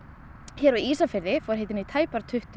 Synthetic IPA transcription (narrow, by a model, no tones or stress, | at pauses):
çɛɾaiːsafɪɾðɪfɔɾɦejt̪ɪnit̪ʰaːjpaɾt̪ʰʏht̪